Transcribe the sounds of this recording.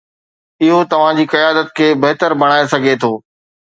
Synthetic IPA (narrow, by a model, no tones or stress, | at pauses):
ɪɦot̪ɐʋ̤ãd͡ʑiːkɐjaːd̪ət̪̚kʰeːbɐɦt̪əɾbɐɽ̃aːesɐɡʱet̪ʰoː